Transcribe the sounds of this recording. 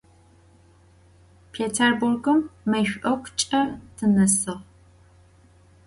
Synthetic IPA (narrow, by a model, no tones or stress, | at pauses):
pʰeːtʰɐrburɡɨmːɐjɕʷʔɐkʷʰt͡ʃʼɐtʰɨnɐsɨʁ